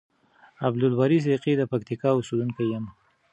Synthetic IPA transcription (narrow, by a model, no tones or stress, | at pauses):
ablʊlbɑɾis̬ɾiqid̪əpakt̪ikɑʊsed̪uŋkajam